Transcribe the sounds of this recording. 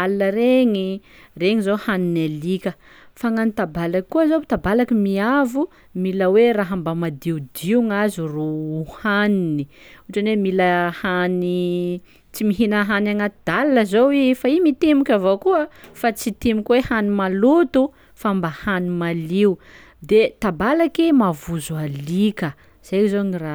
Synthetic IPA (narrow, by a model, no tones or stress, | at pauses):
alnəɾeŋi | reŋizohaninalikʲə | faŋanit̪abalakkːuəzobit̪abalakimiavu | miləweraɦambamad̪iud̪iuŋaziruhaniniuʈ͡ʂanemiləhani | t͡simiɦinəɦanaŋat̪d̪alːəzowifaimit̪emukʲavokuəfat͡sit̪emukʲwehanimalut̪u | faambahanimaliu | d̪et̪abalakimavuzualikə | z̥ajkizoŋira